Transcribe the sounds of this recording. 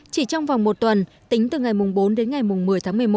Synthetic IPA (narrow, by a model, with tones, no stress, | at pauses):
t͡ɕi˧˩t͡ɕɔ˧wŋ͡mva˨˩wŋ͡mmo˨˩t̚t̪wə˨˩n | t̪ï˨˦ŋ̟t̪ɨ˨˩ŋa˨˩jmʊ˨˩ŋ͡mɓo˨˦nɗe˨˦nŋa˨˩jmʊ˨˩ŋ͡mmɨ˨˩əjt̪ʰaː˨˦mɨ˨˩əjmo˨˩